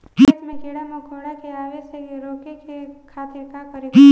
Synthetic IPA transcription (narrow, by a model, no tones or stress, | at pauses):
it̪mẽkiɽamokʰoːɽakeaːʋeseɾoːkekekʰaːt̪ɪɾkakəɾe